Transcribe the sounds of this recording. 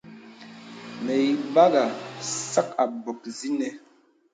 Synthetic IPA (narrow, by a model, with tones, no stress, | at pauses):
mɛ˨i˨ba˦ɣa˨sa˦k̚a˨bɔ˨k̚zi˦nɛ˨